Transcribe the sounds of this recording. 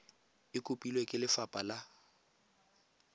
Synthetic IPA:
ɪkʼʊpʼilwekʼɪlɪfapʼala

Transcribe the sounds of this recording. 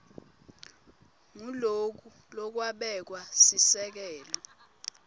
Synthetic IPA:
ŋulok̬u | lɔk̬waɓɛk̬wasisɛk̬ɛːlɔ

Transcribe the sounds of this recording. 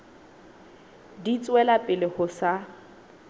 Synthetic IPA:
dit͡sʼwɛlapʼɪlɪhʊsa

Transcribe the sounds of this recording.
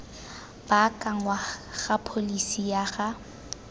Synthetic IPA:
b̥akʼaŋwaɣapʰolisijaɣa

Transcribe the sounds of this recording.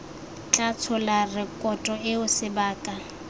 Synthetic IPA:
t͡ɬʼat͡sʰʊlarɪkʼɔtʼɔɪʊsɪbaːkʼa

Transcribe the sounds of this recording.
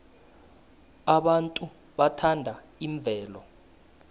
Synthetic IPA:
aɓantʼu | ɓatʰandʱa | iɱb̪vʱɛːlɔ

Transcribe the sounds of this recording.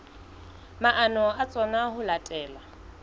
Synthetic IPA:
maʔanɔat͡sʼɔnaɦʊlatʼɛːla

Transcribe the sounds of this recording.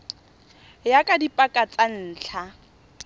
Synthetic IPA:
jakʼadipʼakʼat͡sʼan̩ːt͡ɬʰa

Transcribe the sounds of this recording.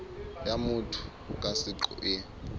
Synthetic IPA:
jamutʰu̥ | k̬ʼasiǃṵʔɛ

